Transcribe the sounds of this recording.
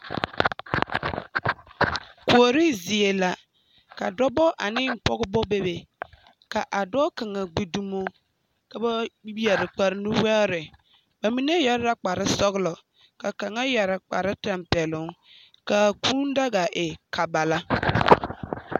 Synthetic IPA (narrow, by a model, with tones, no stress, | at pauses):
ko˨ɾi˦zi˨e˨la˨ | ka˨dɔ˦bɔ˦ʔa˨nɪ˦m̩˨pɔ˦ɡbɔ˦be˦be˨ | ka˨ʔa˨dɔ˦ka˨ŋa˨ɡ͡bi˨du˦mo˦ | ka˨ba˦wi˦ɛ˨ɾɪ˨k͡pa˨ɾɪ˦nu˦wɛ˦ɾɪ˨ | ba˨mi˦ne˦ja˦ɾɪ˦ɾa˦k͡pa˨ɾɪ˦sɔ˦ɣlɔ˨ | ka˨ka˨ŋa˦ja˨ɾɪ˨k͡pa̰˨ɾɪ˦ta˨mpɛ˨lʊ˦ŋ | ka˨ku˦n˦da˦ɡa˨ʔɪ˨ka˨ba˨la˦